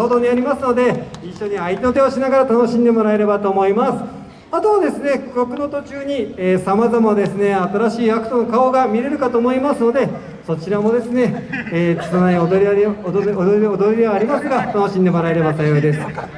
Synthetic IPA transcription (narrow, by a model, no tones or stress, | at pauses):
oːd̪o̞ɲ̟iaɾʲimasɨno̞d̪e̞iɕːo̞ɲ̟iait̪ʲeno̞t̪e̞oɕinaɡaɾat̪ano̞ɕĩnd̪e̞mo̞ɾae̞ɾe̞bat̪o̞ːmo̞imasɨ̥ | at̪o̞βad̪e̞sɨne̞kɯ̥kʲokɯ̟no̞t̪o̞t͡ɕɨːɲ̟ieːsamazamad̪e̞sɨne̞at̪aɾaɕiːakɯ̟̥t̪o̞no̞kao̞ɡamʲiɾe̞ɾɯ̟kat̪o̞ːmo̞imasɨno̞d̪e̞ | so̞t͡ɕiɾamo̞d̪e̞sɨne̞̥ː | sonaioɾ | od̪o̞ɾʲid̪e̞βaːɾʲimasɨɡat̪ano̞ɕĩnd̪e̞mo̞ɾae̞ɾe̞bat̪ajo̞id̪e̞sɨ̥